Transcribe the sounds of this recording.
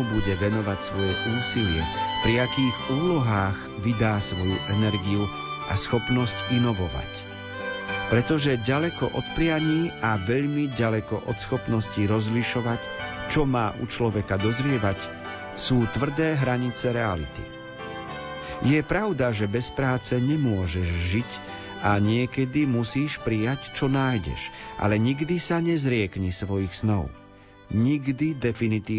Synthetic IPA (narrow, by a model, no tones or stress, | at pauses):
ubuɟɛʋɛnɔʋacsʋɔjɛʔuːsilɪɛ̰pɾiakiːɣuːlɔɦaːɣ | ʋid̪aːsʋɔjṵʔɛnɛɾɡiu | ʔa̰sxɔpnɔscinɔʋɔʋa̰c | pɾɛt̪ɔʒɛɟalɛkɔ̰ʔɔt̪pɾɪaɲiːʔaʋɛʎmiɟalɛkɔ̰ʔɔt̪sxɔpnɔsciɾɔzliʃɔʋac | t͡ʃɔmaːʔṵt͡ʃlɔʋɛkad̪ɔzɾɪɛʋac | suːt̪ʋr̩d̪ɛːɦɾaɲit͡sɛɾɛa̰lḭt̪ḭ | jɛpɾaʊd̪aʒɛbɛspɾaːt͡sɛɲɛmʊɔʒɛʒʒic | ʔaɲɪɛkɛd̪imusiːʃpɾijact͡ʃɔnaːjɟɛ̰ʃʔa̰lɛɲiɡd̪isaɲɛzɾɪɛkɲɛsʋɔjixsnɔʊ | ɲiɡd̪id̪ɛfinit̪iː